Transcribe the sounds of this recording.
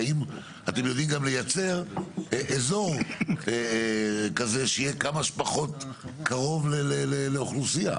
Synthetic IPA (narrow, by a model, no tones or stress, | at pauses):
im | at̪e̞mjo̞d̪imɡamle̞jat͡se̞ʁeʔezo̞ʁe | kazeʃeijekamaʃpaχo̞t | kaʁo̞vleleleleoχlusia̰